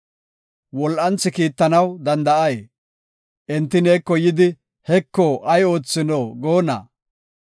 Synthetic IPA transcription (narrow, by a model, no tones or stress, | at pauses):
wɔlʔɐnt͡sːɪkiːt̪ːɐnɐwd̪ɐnd̪ɐʔɐj | ʔɛnt̪ːɪneːkːɔjɪd̪ɪ | hɛkːɔʔɐjo̞ːt͡sːɪnoːɡoːnɐ̰